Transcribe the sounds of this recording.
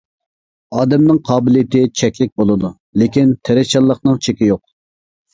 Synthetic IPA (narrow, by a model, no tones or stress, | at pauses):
ɑːd̪ɛmnɨŋqʰɑːbɪlˠijɪt̪ɪt͡ʃʰɛkʲlɪk̚ʲbolˠɨd̪u | lɪkʲint̪ʰeɾɛt͡ʃʰɑlˠːəχnɨŋt͡ʃʰekʲijoq̚